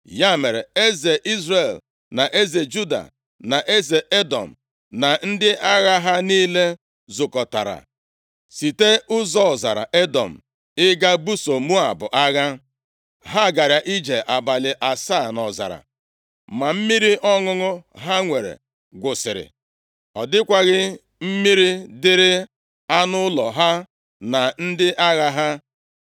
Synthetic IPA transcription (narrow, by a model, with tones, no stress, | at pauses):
ja˦me˨ɾe˨e˦ze˨ʔi˦zre˨l | na˨ʔe˦ze˨d͡ʒu˦da̰˨ | na˨ʔe˦ze˨ʔe˦dɔ̰˨m̩˨ | na˨n̩˦dɪ˦ʔa˦ɣa˦ɦa˦niː˦le˦ | zʊ˨kɔ˨ta˨ɾa̰˨ | si˨te˦ʊ˦zɔ˦˨za˨ɾa̰˨ʔe˦dɔ˨m̩˨ | ɪ˦ɡa˦bu˦so˨mu˦a˨bʊ˨ʔa˦ɣa˦ | ɦa˦˨ɡa˨ɾja˨ʔi˦d͡ʒe˨ʔa˨ba˨lɪ˨ʔa˨sa˦˨nɔ˨za̰˨ɾa̰˨ | ma˨m̩˦mi˦ɾi˦ʔɔ˦ŋʊ˦ŋʊ˦ɦa˦ŋʷe˨ɾḛ˨ | ɡʷʊ˨sɪ˨ɾɪ̰˨ | ɔ˨dɪ˦kʷa˦ɣɪ˦ | m̩˦mi˦ɾi˦dɪ˦ɾɪ˦ | a˦nʊ˦lɔ˨ɦa˦ | na˨n̩˦dɪ˦ʔa˦ɣa˦ɦa˦